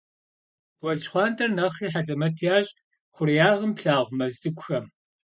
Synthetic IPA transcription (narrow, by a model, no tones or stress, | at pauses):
ɡ̥ʷɔɮt͡ʃʼχʷɑːntʰɐrnɐχiːħaɮʼɐmɐtʰjaːʑʼ | χʷʊrijaːʁəmpɬaːʁʷmɐzzɨkʷʼxɐm